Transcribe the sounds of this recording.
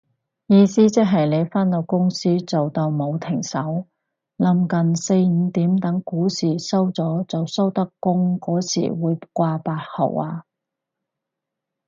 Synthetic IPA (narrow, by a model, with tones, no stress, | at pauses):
jiː˨˧siː˥t͡sɪ˥k̚ɦɐ˨jle˨˧jfaː˥nlo˨˧˩wkʊ˥ŋsiː˥t͡so˨wt̪ɐ˧wmo˨˧wt̪ʰɪ˨˩ŋsɐ˨˥w | lɐ˨˧˥mkɐ˨˩nse˧jm̩ː˨˧t̪iː˨˥mt̪ɐ˨˥ŋkuː˨˥siː˨˩sɐ˥wt͡sɔː˨˥t͡sɐ˨wsɐ˥wt̪ɐ˥kːʊ˥ŋkɔː˨˥sḭː˨˩wuː˨˧jkʷaː˧paː˧t̚hɐ̰˨˩waː˧